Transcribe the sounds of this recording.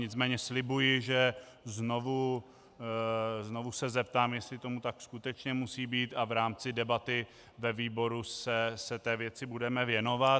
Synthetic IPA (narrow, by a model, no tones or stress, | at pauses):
ɲɪt͡smɛːɲɛslɪbujɪʒɛ | zno̞vu | zno̞vusɛzɛp̚t̪aːmjɛst̪lɪt̪o̞mut̪akskut̪ɛt͡ʃɲɛmusiːbiːt̪avɾaːmt͡sɪdɛbat̪ɪ | vɛviːbo̞ɾusɛsɛt̪ɛːvjɛt͡sɪbudɛmɛvjɛno̞vat̪